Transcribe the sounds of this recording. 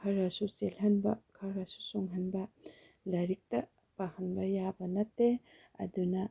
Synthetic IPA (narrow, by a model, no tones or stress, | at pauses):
kʰɐɾasuselhɐnbɐkʰɐɾasu̥suŋɦɐnbɐ | lɐɾik̚tɐ | pahɐnbɐjabɐnɐtːeɐ̰dunɐ